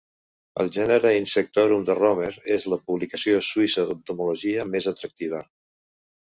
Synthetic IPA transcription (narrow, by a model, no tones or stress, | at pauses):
ə̰lˠʒɛnəɾəinsək̚t̪oɾumd̪ərɔmeɾezləpuβlikəsioswisəðənt̪umuluʒiəmezət̪ɾək̚t̪iβ̞ə